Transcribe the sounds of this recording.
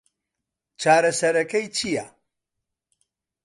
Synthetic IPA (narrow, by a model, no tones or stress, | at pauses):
t͡ʃʰaːɾɐsɐɾɐkɐjt͡ʃʰija